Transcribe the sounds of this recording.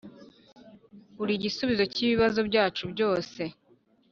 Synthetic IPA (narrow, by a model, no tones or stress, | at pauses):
uɾiɟisuβizo̞ciβiβazobɟaːt͡ʃubɟo̞ːse̞